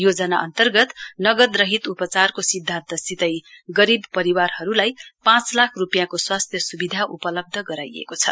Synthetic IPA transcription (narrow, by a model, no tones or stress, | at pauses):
jod͡zʌnaʌ̰nt̪ʌrɡʌt̪nʌɡʌd̪rʌɦit̪upʌt͡sarkosid̪ʱːãnt̪ʌsit̪ʌjɡʌɾibpʌɾiwarɦʌɾulajpãt͡slakʰrupjakoswast̪ʰjʌsubid̪ʱaʔupʌlʌb̚d̪ʱʌɡʌɾajḛkot͡sʰʌ̰